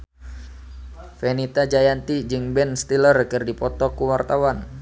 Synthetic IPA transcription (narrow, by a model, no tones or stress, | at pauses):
fɛnit̪ad͡ʒajant̪id͡ʒɨŋbɛnst̪ilərkɨrdipɔt̪ɔkuwart̪awan